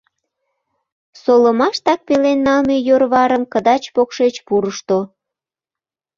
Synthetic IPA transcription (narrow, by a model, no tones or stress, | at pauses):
soləmɑʃt̪ɑk̚pelenːɑlmejorβɑɾəmkəd̪ɑt͡ɕpokʃet͡ɕpuɾəʃt̪o